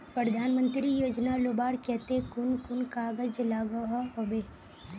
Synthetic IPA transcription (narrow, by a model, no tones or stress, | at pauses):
pɾəd̪ʱaːnmə̃nt̪ɾijoːd͡ʒnalobaːɾkɛɦt̪ekʊnkʊnkaːɡəd͡ʒlaːɡəɦaɦobeː